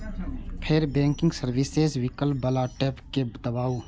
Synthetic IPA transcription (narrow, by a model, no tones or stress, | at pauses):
pʰɪɾbɛ̃ːŋkɪ̃ŋɡsəɾʋɪsezʋɪkəlbəlaːʈɛːpked̪əbaːoː